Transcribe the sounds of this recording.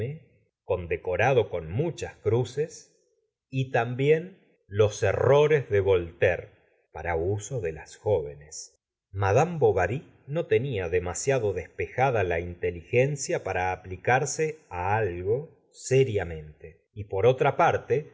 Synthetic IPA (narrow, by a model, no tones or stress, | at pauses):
e | ko̞nd̪e̞ko̞ɾaðo̞ko̞nmut͡ʃaskɾuses | it̪ambje̞n | lo̞sero̞ɾezðe̞βo̞lt̪eɾ | paɾauso̞ðe̞la̰sxo̞β̞e̞nes | maðambo̞βaɾi | no̞t̪e̞niaðe̞masjaðo̞ðe̞spe̞xaðalaint̪e̞lixe̞nsjapaɾaːplikaɾseaalɣo̞ | seɾjamẽ̞nt̪e̞ | ipo̞ɾo̞t̪ɾapaɾt̪e